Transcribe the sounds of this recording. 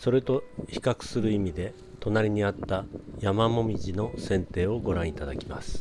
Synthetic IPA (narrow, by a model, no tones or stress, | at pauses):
so̞ɾet̪o̞çi̥kakɯ̟̥sɨɾɯ̟imʲid̪e̞ | t̪o̞naɾʲiɲ̟iat̪ːajamamo̞mʲiʑino̞sẽ̞nt̪e̞ːo̞ɡo̞ɾãɰ̃it̪ad̪akʲima̰sɨ̥